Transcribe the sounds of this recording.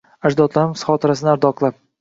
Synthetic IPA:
aʒd̪ɒt̪lˠaɾɪmsχɒt̪ʰɪɾas̬ɪnɪaɾd̪ɒqlˠap̚

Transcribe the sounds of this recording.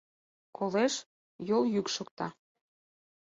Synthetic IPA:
kʰoleʃ | joljykʃok̚t̪ɑ

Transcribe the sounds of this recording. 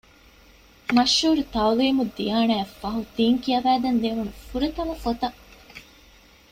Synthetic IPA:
mɐʃːuːɾut̪ɐwliːmud̪ijaːnaːfːɐɦut̪iːŋkijɐʋæːd̪ɐnd̪eʋunufuɾɐt̪ɐʋɐfot̪ɐ

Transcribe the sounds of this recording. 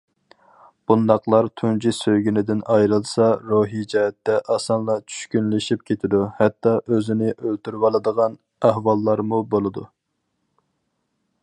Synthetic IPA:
b̥und̪ɑqlˠɑɾt̪ʰund͡ʒisøjɡʲynɪd̪ɪnɑjɾɨlˠsɑɾoɦid͡ʒɛɦɛt̪ːɛʔɑsɑnlˠɑt͡ʃʰy̥ʃkʲynlɪʃip̚kʲʰet̪ʰɪd̪uhɛt̪ːɑʔøzɪnɪʔølt̪yɾwɑlˠɨd̪əʁɑn | æhwɑlˠːɑɾmubolˠɨd̪u

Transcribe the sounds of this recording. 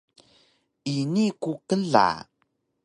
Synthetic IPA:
inikukəɮa̰

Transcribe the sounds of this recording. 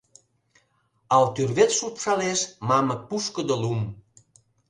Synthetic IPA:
alt̪yrβet̪supsalesmamək̚puskəd̪əlum

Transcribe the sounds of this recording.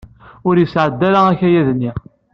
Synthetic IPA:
ʊɾjəsʕəd̪ːæɾææçæjæðnːi

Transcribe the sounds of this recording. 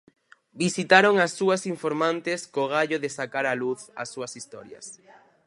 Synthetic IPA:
bisit̪aɾoŋasːuɐsiɱfoɾmãnt̪ɪskoɣ̞aʎoðesakaɾaluθa̰sːuɐsist̪ɔɾjɐ̰s

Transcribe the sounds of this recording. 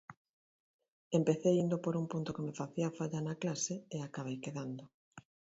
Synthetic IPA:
empeθejind̪opoɾumpunt̪okemɪfaθiafaʎanaklaseeakaβ̞ejkeðand̪o

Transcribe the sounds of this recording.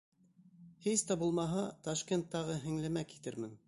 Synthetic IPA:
hist̪æbulˠmɑɦɑt̪ɐʃkʲent̪ːɑʁɤɦɘ̆ŋlæmæki̥t̪ɘɾmɘ̆n

